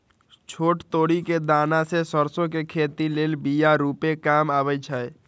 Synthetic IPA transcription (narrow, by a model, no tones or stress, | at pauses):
t͡ʃʰoːʈt̪oːɽiked̪aːnasesəɾsõkekʰeːt̪ileːlbijaɾuːpekaːmaːbət͡ʃʰəj